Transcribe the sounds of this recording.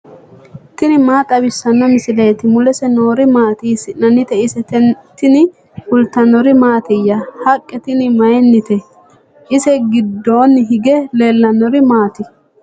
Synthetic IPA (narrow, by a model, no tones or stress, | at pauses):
t̪ɪnɪmaːt̪ʼɐbɪsːɐnːɔmɪsɪlɐjt̪ɪmʊlɛsɛno̞ːɾɪmaːt̪iːsɪnɐnːɪt̪ɛɪsɛt̪ɪnɪ | hʊlt̪ɐnːɔɾɪmaːt̪ɛjːɐhɐkʼːɛt̪ɪnɪmɐjɛnːɪt̪ɛ | ʔɪsɛɡɪd̪ːo̞ːnɦɪɡɛle̞ːlːɐnːɔɾɪmaːt̪ɪ